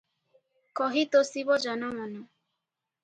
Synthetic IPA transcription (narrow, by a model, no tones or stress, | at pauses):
kɔɦit̪osiβɔd͡ʒɔnɔmɔnɔ